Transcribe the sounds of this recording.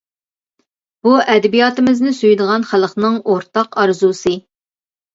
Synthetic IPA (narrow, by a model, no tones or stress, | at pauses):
b̥uʔɛd̪ɛbijɑːt̪ɪmɪznɪsyjd̪əʁɑnχælˠəqnɨŋoɾt̪ɑqɑɾzusɨ